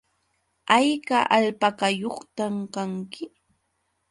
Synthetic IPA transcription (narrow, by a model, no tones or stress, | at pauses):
ajkaʔaʎpakajoχt̪amkaŋkɪ